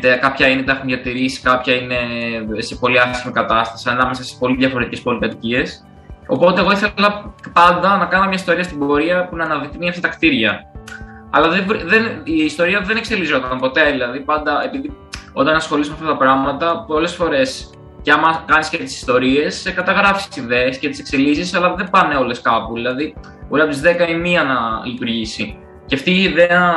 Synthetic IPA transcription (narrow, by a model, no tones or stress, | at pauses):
t̪ekɐpçɐinet̪ɐxmiʝɐt̪iɾisi̥kɐpçɐine̞sepo̞liɐsimikɐt̪ɐst̪ɐ̥siɐnɐme̞sɐsi̥spo̞liðʝɐfoɾt̪icespo̞lit̪ɐt̪icies | o̞po̞t̪e̞ːɣo̞iθe̞lɐpɐnd̪ɐnɐkɐnomɲɐist̪o̞ɾiɐst̪ibo̞ɾiɐpunɐːnɐðikt̪emɲɐft̪it̪ɐkt̪iɾʝɐ | ɐ̰lɐðevɾiðeniːst̪o̞ɾiɐðenekse̞lizo̞t̪ɐmpo̞t̪e̞ðilɐðipɐnd̪ɐe̞piði | o̞t̪ɐnɐsxo̞lismeɐft̪ɐt̪ɐpɾɐɣmɐt̪ɐpo̞le̞sfo̞ɾe̞s | ceɐmɐkɐniscet̪i̥si̥st̪o̞ɾie̞sekɐt̪ɐɣɾɐfi̥sssiðeːscet̪i̥se̞kse̞lisisɐlɐðe̞bɐne̞o̞le̞skɐpuðilɐði | uɾɐpzizðekɐimiɐnɐlit̪uɾʝisḭ | ceɐft̪iːðeɐ